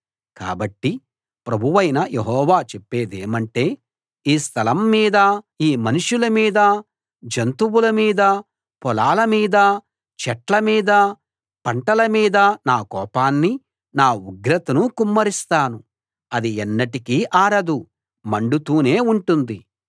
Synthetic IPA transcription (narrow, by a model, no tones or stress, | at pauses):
ka̰ːbɐʈːi | pɾɐbʱuʋɐjnɐjeɦɔːʋaːt͡ʃepːe̞ːd̪eːmɐɳʈe̞ː | iːst̪ʰɐlɐmːiːd̪ɐ | iːmɐnuʂulɐmiːd̪ɐ | d͡ʒɐnt̪uwulɐmiːd̪ɐ | pɔlaːlɐmiːd̪ɐ | t͡ʃɛʈlɐmiːd̪ɐ | pɐɳʈɐlɐmiːd̪ɐnaːkɔːpaːnːi | naːuɡɾɐt̪ɐnukumːɐɾist̪aːnu | ɐd̪iɛnːɐʈikiːʔaːɾɐd̪u | mɐɳɖut̪uːne̞ːuɳʈund̪i